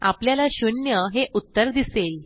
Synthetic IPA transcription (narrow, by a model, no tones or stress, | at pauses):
a̰pljalaɕunjəɦeʔut̪ːəɾd̪isel